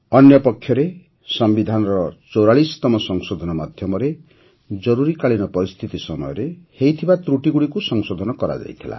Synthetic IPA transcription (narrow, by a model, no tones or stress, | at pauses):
ɔnjɔpɔkʰjɔɾe | sɔmbid̪ʱanɔɾɔt͡ʃɔwɾaɭisɔ̥t̪ɔmɔsɔŋsod̪ʱɔnɔmad̪ʱjɔmɔɾe | d͡ʒɔɾuɾikaɭinɔpɔɾist̪ʰit̪isɔmɔjɔɾehejt̪ʰibat̪ɾuʈiɡuɽikusɔŋsod̪ʱɔnɔkɔɾa̰d͡ʒa̰jt̪ʰila̰